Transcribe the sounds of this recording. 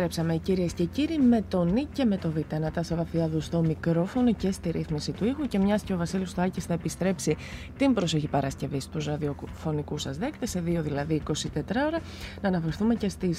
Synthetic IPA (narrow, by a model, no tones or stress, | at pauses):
ɾepsɐme̞ciɾiesce̞ciɾime̞t̪o̞nice̞me̞t̪o̞vit̪ɐnɐt̪ɐsɐvɐθiɐðust̪o̞mikɾo̞fo̞no̞ce̞st̪iɾʔiθmisit̪uixuce̞mɲɐsceo̞vɐsilist̪oɐcisθɐepist̪ɾe̞psi | t̪imbɾo̞soçipɐɾɐsce̞vist̪uzɾɐðiofo̞nikusɐzðekt̪esːe̞ðio̞ðilɐðiːko̞sit̪e̞t̪ɾɐo̞ɾɐ | nɐːnɐfe̞ɾθume̞ce̞st̪is